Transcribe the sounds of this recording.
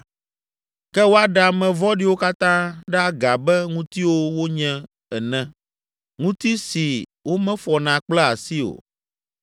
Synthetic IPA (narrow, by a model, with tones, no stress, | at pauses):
kɛ˦wo˦a˦ɖa˨mɛ̃˨vɔ˦ɖi˦wo˦ka˦t̪ã˦ɖɛ˦a˦ɡa˨bɛ˦ŋũ˦t̪i˦wo˦wo˦ɲɛ̃˦ | ɛ˨nɛ̃˦ | ŋũ˦t̪i˦si˨wo˦mɛ̃˦fɔ˨nã˨k͡plɛ˦a˨si˦o̰˨